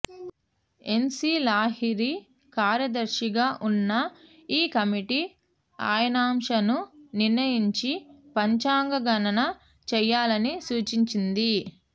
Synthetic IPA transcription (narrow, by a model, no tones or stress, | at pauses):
e̞nsilaːɦiɾi | kaːɾjɐd̪ɐɾʃiɡaːʔunːɐ | iːkɐmiʈi | a̰ːjɐnaːmʂɐnuniɾnɐjiɲt͡ʃipɐɲt͡ʃaːŋɡɐɡɐnɐnɐ | t͡ʃɛjːaːlɐnisuːt͡ʃiɲt͡ʃind̪i